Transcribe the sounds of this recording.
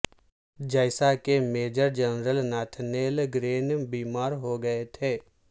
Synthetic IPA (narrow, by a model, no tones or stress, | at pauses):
d͡ʒəɪsakemeːd͡ʒəɾd͡ʒənɾəlnaːʈʰneːlɡɾeːnbiːmaːɾɦoɡəet̪ʰeː